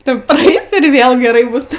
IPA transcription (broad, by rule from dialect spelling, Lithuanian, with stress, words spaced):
ˈtʊ prɐˈɛɪs ɪr ˈʋʲeːlˠ ɡʲɛˈrɐɪ ˈbʊs